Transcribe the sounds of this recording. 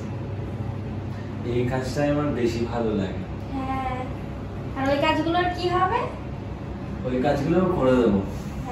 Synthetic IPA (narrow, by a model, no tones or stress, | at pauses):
ejkad͡ʑtaamaɹbeʃibʱalola̰ɡe | ɦɛ̃ | aɹojkad͡ʑɡuloɹkiɦɔbe | ojkad͡ʑɡulokoɹed̪ebo